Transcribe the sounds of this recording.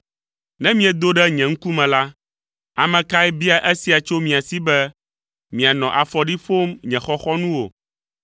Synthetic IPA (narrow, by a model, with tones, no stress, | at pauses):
nɛ̃˦mĩ˨ɛ˨d̪o˦ɖɛ˦ɲɛ̃˨ŋ̩˦ku˦mɛ̃˨la˦ | a˨mɛ̃˨ka˦ɛ˦bi˦a˨ʔe˦si˨a˨t͡ʃo˦mĩ˨a˨si˦bɛ˦ | mĩ˨a˨nɔ̃˨ʔa˨fɔ˨ɖi˦fo˦mɲɛ̃˨xɔ˦xɔ˦nũ˦wo̰˨